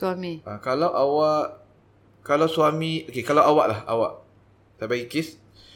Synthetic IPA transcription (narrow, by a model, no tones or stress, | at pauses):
amĩakalawʔawaʔ | kalawsuamĩokekalawʔawaʔlaha̰waʔ | t̪abaikɪs